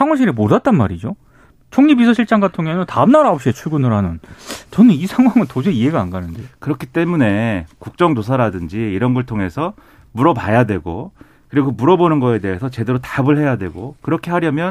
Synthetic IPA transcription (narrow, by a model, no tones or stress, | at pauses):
sʰaŋwaɕʰiɾimodat̚t͈anmaɾid͡ʑo | t͡ɕʰoŋɲibisʰʌɕʰiɭt͡ɕ͈aŋɡatʰoŋenɯntaɯmnaɾaʌpɕ͈iet͡ɕʰuɭɡunɯɾanɯnt͡ɕʌnɯnisʰaŋwaŋɯntod͡ʑeiɦe̞ɡaːnɡanɯndekɯɾʌkʰi̥t͈e̞mune̞kuk̚t͡ɕ͈ʌŋtos̬ʰaɾadɯnd͡ʑiːɾʌnɡʌɭtʰoŋe̞sʰʌ | muɾʌpajadwe̞ɡo | kɯɾiɡomuɾʌbonɯnɡʌe̞de̞ɦesʰʌt͡ɕe̞de̞ɾotabɯɭɦe̞jadwe̞̰ɡokɯɾʌkʰe̞ɦaɾjʌmjʌn